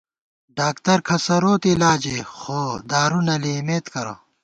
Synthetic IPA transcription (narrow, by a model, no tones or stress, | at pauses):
ɖaːkt̪ɐɾkʰɐsɐɾoːt̪ilaːd͡ʑexoːd̪aːɾunɐliimeːt̪kɐɾɐ̰